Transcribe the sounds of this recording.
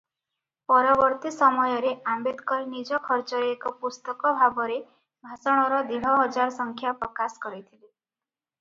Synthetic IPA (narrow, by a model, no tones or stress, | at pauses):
pɔɾɔbɔɾt̪isɔmɔjɔɾeʔambed̪kɔɾnid͡ʒɔkʰɔɾt͡ʃɔɾeːkɔpust̪ɔkɔbʱabɔɾe | bʱasɔɽ̃ɔɾɔd̪iɽ̤ɔɦɔd͡ʒaɾsɔŋkʰjapɾɔkaskɔɾit̪ʰile